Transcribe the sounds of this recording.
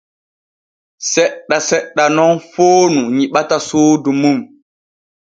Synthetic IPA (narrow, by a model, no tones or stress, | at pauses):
sɛɗːasɛɗːanɔnfoːnuɲiɓatasoːdumum